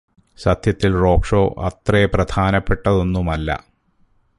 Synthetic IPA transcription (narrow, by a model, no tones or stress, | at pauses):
sɐd̪ʱjɐt̪ːilro̞ːkʂo̞ːʔɐ̰t̪rɐeprɐd̪ʱʰaːnɐpːe̞ʈːɐðo̞nːumɐlːɐ̰